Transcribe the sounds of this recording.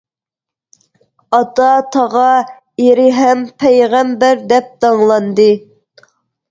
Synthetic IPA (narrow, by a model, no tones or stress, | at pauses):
ɑt̪ɑt̪ʰɑʁɑ | eɾɪɦɛmpʰɛjʁæmbæɾd̪ɛp̚d̪ɑŋlˠɑnd̪ɨ